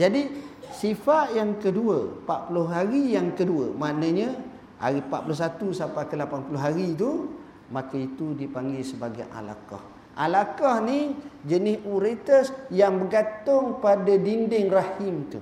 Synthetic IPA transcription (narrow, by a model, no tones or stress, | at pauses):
d͡ʒadisifaʔjaŋkəduə̰paʔpulʊɦɦaɾijaŋkəduəmanãɲə̃ | a̰ɾipa̰ʔpulʊhs̬at̪usapakəlapanpulʊɦaɾit̪̬u | makait̪udipaŋɡɪlsəbaɡajʔa̰la̰kɔ̰h | ʔa̰lakɔhnid͡ʒənɪsuɾet̪əsjaŋbəɡat̪ʊŋpadadindɪŋrahɪmt̪ṵ